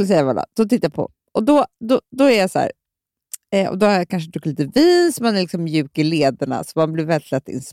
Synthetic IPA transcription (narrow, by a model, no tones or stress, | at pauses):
lsɛjːavala̰d̪̥ɔt̪ɪt̪ːajapʰɔ̰ | ʔɔd̪ɔd̪ɔd̪ɔæɾjasæ̰ːɾ | ɛɔ̰d̪ɔhaɾjakʰanʂ̬əd̪ɵkːliːt̪əviːnsɔmanɛɾlɪksɔmmjʉ̟ːkɪleːd̪aɳa̰sɔmanblɪɾvɛlɪt̪lɛt̪ːɪ̰ns